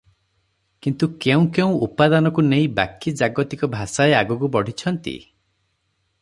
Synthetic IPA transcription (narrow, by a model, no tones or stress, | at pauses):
kint̪ukeũkeũupad̪anɔkuneĩba̰kid͡ʒaɡɔt̪ikɔbʱasaeaɡɔkubɔɽ̤ʱit͡ʃʰɔnt̪ḭ